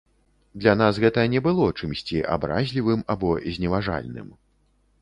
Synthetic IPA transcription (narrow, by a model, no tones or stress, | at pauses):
d̪lʲanasɣɛt̪ɐnʲɛbɨlˠɔt͡ʂɨmsʲt͡sʲiʔa̰bɾa̰zʲlʲivɨmabɔzʲnʲɛvaʐa̰lʲnɨ̰m